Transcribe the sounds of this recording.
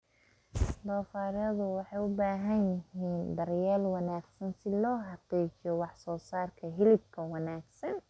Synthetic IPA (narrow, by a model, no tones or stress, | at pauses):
d̪ɔːfaːɾɐðʊwɑħɑjʊbaːɦɐnjɪɦiːnd̪ɐrjaːlwɑnaːɡsɐnsɪlɔːɦɑqiːt͡ʃɪjɔwɑħsɔːsaːrkʰɐɦɪlɪb̚kʰɐwɑnaːɡsɐn